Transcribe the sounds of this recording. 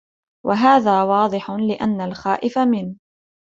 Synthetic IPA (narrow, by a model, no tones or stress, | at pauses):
wʔaɦaːðaːwɑːd̪ˤɨħʊlɪʔanːalxaːʔɪfamɪn